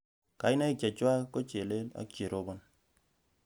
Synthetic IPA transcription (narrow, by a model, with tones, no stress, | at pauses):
ka˨i˦na˦i˦kja˨t͡ʃwa˦ko˦t͡ʃe˨le˦la̰˦ke˨ɾo˦bo˦n